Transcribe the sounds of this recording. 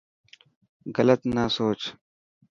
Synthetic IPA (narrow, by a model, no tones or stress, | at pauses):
ɣələt̪nasoːt͡ʃ